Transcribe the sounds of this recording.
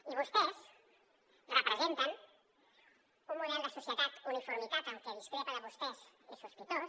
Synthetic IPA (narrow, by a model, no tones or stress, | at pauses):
iβost̪es | repɾezẽnt̪ɐ̃ŋ | komolẽnd̪ɐsosjet̪at̪unifoɾmit̪at̪akɛðist̪ɾeɐpaɾɐβost̪esesospit̪o